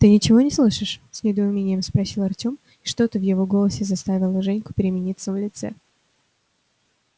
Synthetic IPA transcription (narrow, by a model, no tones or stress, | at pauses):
t̪ɨnʲɪt͡ɕɪvo̞nʲɪslˠɨʂɨʂsʲnʲɪd̪əʊmʲenʲɪjəmspɾɐsʲilˠɐrtʲo̞m | iʂt̪o̞t̪əvjɪvo̞ɡo̞lˠəsʲɪzɐst̪avʲɪlˠəʐɛnʲkʊ̥pʲɪɾʲɪmʲɪnʲit̪səvlʲɪt̪sɛ̰